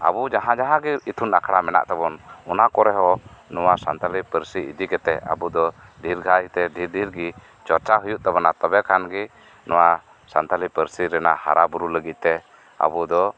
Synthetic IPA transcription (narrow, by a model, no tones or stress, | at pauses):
a̰bud͡ʒaɦãd͡ʒaɦãɡɛit̪ʰunakʰɽamɛna̰ʔt̪ɛbɔnɔnakɔɾɛɦɔnɔwasa̰nt̪alipəɾsiḭd̪ikɛt̪ɛa̰bud̪ɔdʱiɾɡʱajt̪ɛdʱiɾdʱiɾɡi | t͡ʃɔɾt͡ʃaɦujuʔt̪ɛbɔnat̪ɔbɛkʰanɡi | nɔwa | sant̪alipəɾsiɾɛna̰ʔha̰ɾabuɾuləɡit̪̚t̪ɛ | a̰bud̪ɔ